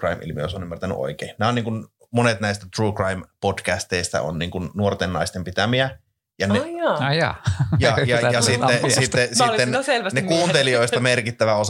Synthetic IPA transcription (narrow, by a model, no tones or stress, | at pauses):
rɑimḭlmḭo̰sonymːært̪æny̰ʔo̰ikḛːnnæonniːŋkun | monet̪næˑist̪æt̪ruːkrɑimpotkæst̪eist̪æ̰o̰nniːŋkunnuort̪enːɑist̪empit̪æmiæ | jɑnejɑjɑ̰jɑjɑjɑsit̪ːesit̪ːesilːenselʋænekuːnt̪elioˑist̪ɑmerkit̪ːæʋæos